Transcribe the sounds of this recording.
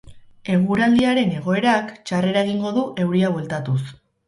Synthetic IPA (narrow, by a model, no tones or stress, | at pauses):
e̞ɣ̞uɾald̪iaɾe̞ne̞ɣ̞o̞e̞ɾakt͡ʃare̞ɾae̞ɣ̞iŋɡo̞ðuʔe̞wɾiaβwe̞lt̪at̪us